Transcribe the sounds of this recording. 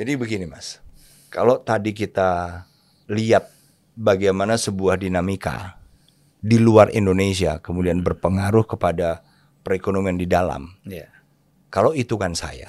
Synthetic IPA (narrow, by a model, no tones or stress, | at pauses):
d͡ʒadibəɡinimas | kalowt̪adikit̪a | liat̪̚ | baɡajmanasəbuahdinamika̰ | diluarḭndones̬ia̰kəmudianbərpəŋaɾʊhkəpada | pəɾekonomiandidala̰m | kalowit̪ukansa̰ja̰